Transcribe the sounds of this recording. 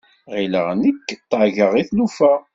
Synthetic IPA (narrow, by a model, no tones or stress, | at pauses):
ʁiləʁnəkːt̪ˤːəʕʝəʁiθlufæ